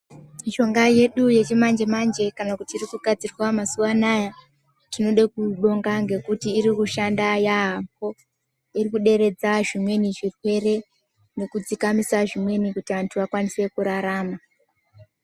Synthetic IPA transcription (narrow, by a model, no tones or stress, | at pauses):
miʃo̞ŋɡaje̞ɗuje̞t͡ʃemand͡ʒe̞mand͡ʒe̞kanakutiːrikuɡʱad͡zirwamasuʋanaja | tino̞ɗakuɗo̞ŋɡaŋɡe̞kutiːɾikuʃandajaɦampo̞ | irikuɗe̞ɾe̞d͡zaʐimwe̞niʐikwe̞re̞ | ne̞kud͡zikamisaʐimwe̞nikutiʋantʰuʋakwanise̞kuɾaɾaːma